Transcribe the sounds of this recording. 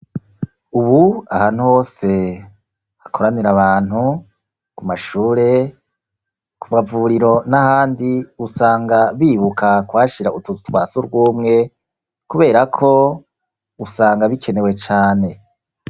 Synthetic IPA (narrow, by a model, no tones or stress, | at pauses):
uβuahaːn̥huho̞ːse̞ | hakʰo̞ɾaniɾaβaːn̥hu | kumaʃuːɾe̞ | kʰumavuɾiɾo̞nahaːndiusaːŋɡaβiːβukʰakwaːʃiɾautuutuwaːsuɾɡwuːmŋe̞ | kuβe̞ːɾakʰo̞ | usaːŋɡaβikʰe̞ne̞we̞t͡ʃaːne̞